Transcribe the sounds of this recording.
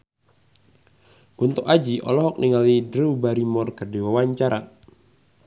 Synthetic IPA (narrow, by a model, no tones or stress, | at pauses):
ɡ̥unt̪uʔad͡ʒiʔɔ̰lɔɦɔk̚niŋalidɾɛubaɾimɔrkərdiwawaɲt͡ʃaɾa̰